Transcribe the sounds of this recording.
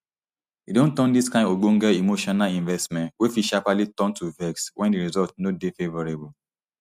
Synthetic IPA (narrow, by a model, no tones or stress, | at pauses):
idõntɔ̃ndiskãɪ̃ndoɡ͡bõŋɡaimoʃɔnalĩnvɛstmɛ̃ntwefiʃapalitɔ̃ntuvɛkswʔɛ̃ndiɹizɔltnodefevɔɹebɔ